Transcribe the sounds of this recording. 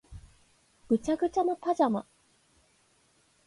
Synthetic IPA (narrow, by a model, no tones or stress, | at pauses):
kɯt͡ɕakɯt͡ɕamapʰad͡ʑama̰